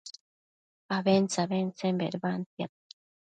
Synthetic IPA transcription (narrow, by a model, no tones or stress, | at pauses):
aβent͡saβent͡sembeɾβant̪jat̪